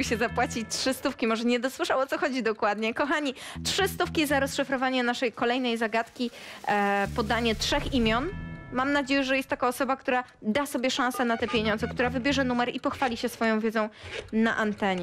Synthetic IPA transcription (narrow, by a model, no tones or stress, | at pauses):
ɕɛzapwat͡ɕit͡ɕtʂɘst̪ufkʲimɔʐɛɲɛd̪ɔswɘʂawɔt̪sɔxɔd͡ʑid̪ɔkwad̪ɲɛkɔxaɲi | tʂɘst̪ufkʲizaɾɔsʂɨfɾɔvaɲɛnaʂɛjkɔlɛjnɛjzaɡat̪kʲi | pɔd̪aɲɛtʂɛximʲjɔnmamnad͡ʑejɛʐɛjɛst̪ːakaɔsɔbakt̪uɾad̪asɔbʲjɛʂãñsɛnat̪ɛpʲjeɲɔnd̪zɛkt̪uɾavɘbʲjɛʐɛnumɛɾipɔxfalʲiɕɛsfɔjɔ̃w̃vʲjɛd̪zɔ̃w̃na̰ʔant̪ɛɲɛ